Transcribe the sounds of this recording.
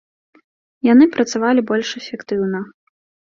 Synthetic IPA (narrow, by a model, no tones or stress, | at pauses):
janɨpɾɐt̪savalʲibɔlʲʂɛfʲɛkt̪ɨwnɐ